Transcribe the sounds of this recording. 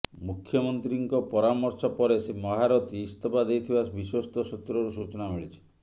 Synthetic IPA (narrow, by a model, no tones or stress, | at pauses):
mukʰːjɔmɔnt̪ɾiŋkɔpɔɾamɔɾsɔpɔɾesemɔɦaɾɔt̪iːst̪ɔpad̪ejt̪ʰibasbiswɔst̪ʰɔsɔt̪ɾɔɾusut͡ʃɔnamiɭit͡ʃʰi̥